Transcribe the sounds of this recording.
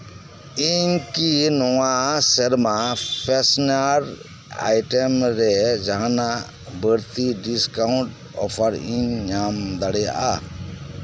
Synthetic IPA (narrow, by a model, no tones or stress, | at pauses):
iɲkinɔwasəɾmapʰesnaɾ | a̰jʈemɾɛd͡ʒaɦana | bəɾt̪iɖiskawɳʈ | ɔ̰pʰaɾiɲɲamd̪aɽɛja̰ʔa̰